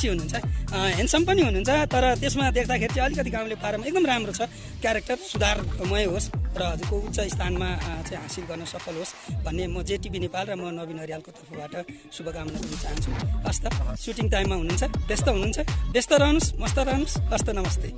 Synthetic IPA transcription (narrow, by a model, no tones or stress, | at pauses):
siɦununt͡sʰʌɦensʌmpʌniɦununt͡sʰʌt̪ʌɾʌt̪esmad̪ekʰd̪akʰeɾit͡sãʌlikʌt̪iɡãw̃lepaɾʌmaek̚d̪ʌmramrot͡sʰʌ | kjaɾek̚ʈʌrsud̪ʱarmʌjɦosrʌʌd͡zurkout̪ːsʌist̪ʰanmat͡saĩɦãsilɡʌrnʌsʌpʰʌlɦosbʱʌnːemʌd͡zeʈibinepalrʌmʌnʌbinʌɾijalkot̪ʌrpʰʌbaʈʌ | subʱʌɡamnʌd̪nʌt͡saɦʌnt͡sʰuʌst̪ʌsuʈiŋʈajmːaɦununt͡sʰʌbest̪ʌɦunuːnt͡sʰʌbest̪ʌɾʌɦnusmʌst̪ʌɾʌɦnusʌst̪ʌnʌmʌst̪e